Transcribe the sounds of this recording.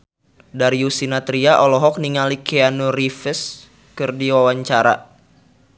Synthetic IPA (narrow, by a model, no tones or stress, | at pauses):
daɾiusinat̪ɾiaʔɔlɔɦɔk̚niŋalikeanurifəs | kɨrdiwawaɲt͡ʃaɾa̰